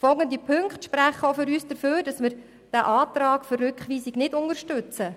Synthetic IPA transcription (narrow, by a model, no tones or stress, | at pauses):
fɔlˠɡəndipʰɵŋkχtʃpɾæχəofʏɾyːsd̥əɾføːɾd̥ɑsmɪɾ | d̥æʔɑːtɾɑːkfərːʉkχʋiːsiɡnɪdʊnəɾʃtʉt͡sə